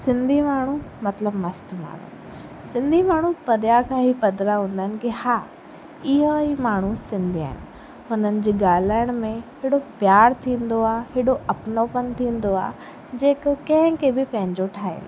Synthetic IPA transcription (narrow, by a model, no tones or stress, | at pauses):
sɪ̃nd̪ʱimaːɳ̤̃umɐt̪ləbmɐsʈma̰ːɳ̤ṵ | sɪ̃nd̪ʱimaːɳ̤upɐɗ̪jakʰãːɦipɐd̪ɾaɦũːn̆d̪əɦɪnɪ̆kihaː | ɪɦoimaːɳ̤usɪ̃nd̪ʱia̰ːɦɪnɪ̆ | ɦʊnənɪ̆d͡ʑiːɡaːl̤aːɪəɽ̃mẽɦeːɽopjaːɽt̪ʰĩːnd̪oaːɦeːɽoɐpnopənt̪ʰĩːn̆d̪oa̰ː | d͡ʑeːkkɐ̃ɦɪ̃kʰebɪpɐ̃ɦɪ̃ɲd͡ʑoʈʰaːḛlː